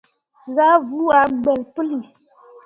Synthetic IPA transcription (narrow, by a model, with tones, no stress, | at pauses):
za˦vu˦a˨˦ɡ͡bɛ˨lpə˦li˨